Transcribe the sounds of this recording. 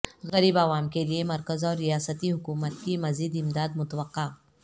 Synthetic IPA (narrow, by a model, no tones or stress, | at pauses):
ɣɐɾiːbaːʋaːmkeliemɐɾkəzɔːɾːijaːsət̪iɦʊkuːmət̪kimɐziːd̪ɪmd̪aːd̪mʊt̪əʋəqːaː